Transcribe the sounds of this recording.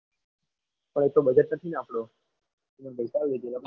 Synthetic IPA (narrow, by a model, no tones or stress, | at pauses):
pəɳ̃et̪obəd͡ʒəʈ̪nət̪ʰinapɽo | imənbʱəjsaʋed͡ʒela